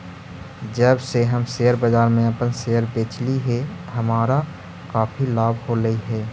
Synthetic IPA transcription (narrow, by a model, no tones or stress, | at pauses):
d͡ʒəbseɦɐmseːəɾbəzaːɾmẽɐpənseːəɾbẽːt͡ʃliɦɛɦɐmaːɾa | kaːpʰilaːbʱhoɾəiɦɛː